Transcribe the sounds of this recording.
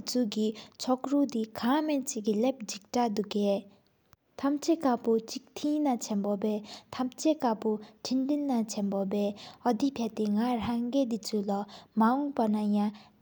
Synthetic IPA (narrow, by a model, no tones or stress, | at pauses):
t͡sukit͡ɕʰɔk̚rud̪ikʰamɛnt͡ɕiʔkilep̚d͡ʑik̚ʈ͡ʂad̪uʔke | t̪ʰamt͡ɕʰekapot͡ɕik̚t̪ʰinat͡ɕʰɛnpopɛːt̪ʰamt͡ɕʰekapoʈ͡ʂʰind̪inːat͡ɕʰɛnpopɛːɔd̪ipʰat̪eŋaraŋɡed̪it͡sulamaɔŋpanaja